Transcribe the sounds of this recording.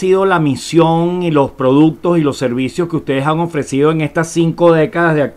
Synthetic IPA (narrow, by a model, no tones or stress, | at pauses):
iðo̞lamisjo̞ŋilo̞spɾo̞ðuk̚t̪o̞silo̞sːe̞ɾβisjo̞skeust̪e̞ð̞esaŋo̞fɾe̞sið̞oe̞ŋe̞st̪asiŋko̞ðe̞kaðazðea